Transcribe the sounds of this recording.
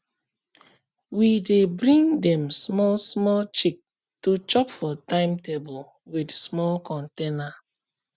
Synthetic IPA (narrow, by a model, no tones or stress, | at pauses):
widebɾĩŋdɛ̃msmɔlsmɔlt͡ʃik̚ | tut͡ʃɔpfɔtãɪ̃mtebul | widsmɔlkɔ̃ntena